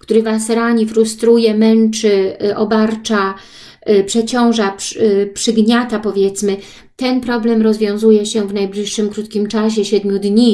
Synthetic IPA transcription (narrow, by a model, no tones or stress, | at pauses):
kt̪uɾɘvasɾaɲifɾust̪ɾujɛmɛnt͡ʂɘʔɔbaɾt͡ʂa | pʂɛt͡ɕɔ̃w̃ʐappʂɘɡɲat̪apɔvʲjɛt̪smɘ | t̪ɛnpɾɔblɛmɾɔzvʲjɔ̃w̃zujɛɕɛvnajblʲiʂːɘmkɾut̪kʲimt͡ʂaɕ̬ɛɕɛd̪mʲjud̪ɲi